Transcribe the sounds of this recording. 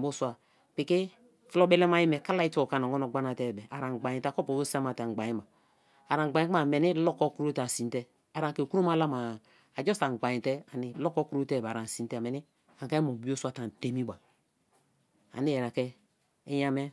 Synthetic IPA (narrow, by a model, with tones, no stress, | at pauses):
bo˦swa˨ | pi˨ki˦ | flo˦bɛ˦le˦ma˦ji˦mɛ˨ka˦la˦i˦to˨ka˨na˨ŋo˦no˨ɡ͡ba˦na˨tɛ˦˨bɛ˨a˨ɾa˨ɡ͡ba˨jĩ˨ta˦˨ko˦po˨bo˦sa˦ma˨ta˨ɡ͡ba˨jĩ˦ma˨ | a˨ɾa˨ŋ˨ɡ͡ba˨ĩ˦ka˨me˨ni˦lɔ˦kɔ˦kɾo˦ta˨si˨tɛ˦ | a˨ɾa˨ke˨ku˦ɾo˦ma˦la˦ma˨ | a˨d͡ʒɔ˦sa˨ɡ͡ba˨ji˨tɛ˦a˨ni˨lɔ˦kɔ˦ku˦ɾo˦te˦˨ba˨ɾa˨n˨si˨ntmɛ˨ni˦ | a˨ka˦i˦mo˨bi˦o˦su˦a˦˨ta˨n˨te˦mi˦ba˨ | a̰˨ni˦jɛ˨ɾa˨kɛː˦ | ja˦mɛ˦